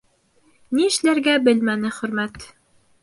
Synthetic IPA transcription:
niɘ̆ʃlæɾɡæbɘlmænɘχɵ̆ɾmæt̪

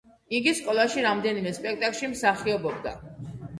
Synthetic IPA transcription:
iɡiskʼɔlˠaʃiɾamd̪ɛnimɛspʼɛk̚ʰt̪ʼakʼlʃimsaχiɔbɔb̚d̪a̰

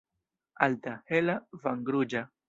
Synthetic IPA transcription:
alt̪ahelavaŋɡɾud͡ʒa

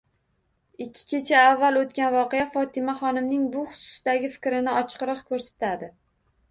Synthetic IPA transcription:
ɪkʲʰːɪ̥kʲe̞t͡ʃʰaavːalˠot̪̚kʲanvɒqejafɒt̪ʰɪmaχɒnɪmnɪŋbʊχʊ̥sʊ̥sd̪aɡʲɪfɪ̥kʲɾɪnɪɒt͡ʃʰqɨɾɨqkʰɵɾsḁt̪ʰad̪ɪ

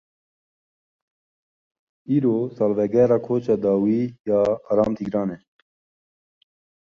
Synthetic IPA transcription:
iːɾoːsɐlʋɛɡɛːɾaːkʰoːt͡ʃad̪aːwiːjaːaɾaːmt̪ʰiɡɾaːnɛ

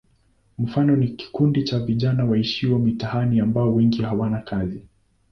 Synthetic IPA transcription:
m̩fanɔniki̥kundit͡ʃaviʄanawaiʃiwamitahaniambaɔwɛŋɡihawanakʰazi

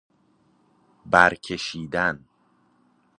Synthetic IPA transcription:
bæɾcʰeʃiːd̪æn

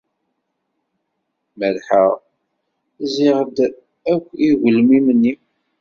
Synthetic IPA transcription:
məɾħaʁ | zɪʁəd̪ | ækʷːiʝəlmimənːi

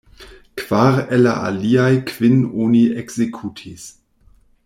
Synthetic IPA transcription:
kv̥aɾela̰ʔa̰liajkv̥inoniekz̥ekʰutʰis

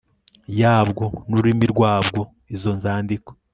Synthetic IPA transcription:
jaːbɡo̞nuɾimiɾɡwaːbɡo̞ | izo̞nzaːndiko

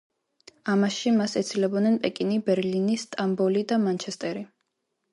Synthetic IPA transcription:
amaʃimasɛt̪sʰilɛbɔnɛnpʼɛkʼinibɛɾlinist̪ʼambɔlid̪amant͡ʃʰɛst̪ʼɛɾi

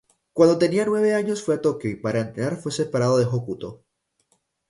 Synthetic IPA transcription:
kwand̪o̞t̪e̞nianwe̞β̞e̞aɲo̞sfwe̞at̪o̞kjoipaɾaent̪ɾenaɾfwe̞se̞paɾað̞oðexokut̪o̞

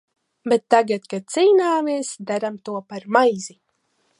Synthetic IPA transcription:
bet̪ːaɡat̪kasijnaːmeːsd̪aɾamt̪uɔpaɾmajzi

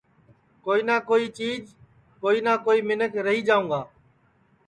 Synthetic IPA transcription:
koːiːnaːkoːiːt͡ʃiːd͡ʒ | koːiːnaːkoːiːmɪnəkɾəɦiːd͡ʒaːũːŋɡaː

